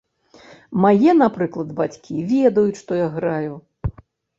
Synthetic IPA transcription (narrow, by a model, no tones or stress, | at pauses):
majɛnapɾɨklˠɐd̪bat͡sʲkʲivʲɛd̪ɐjut͡sʲʂt̪ɔjaɣɾaju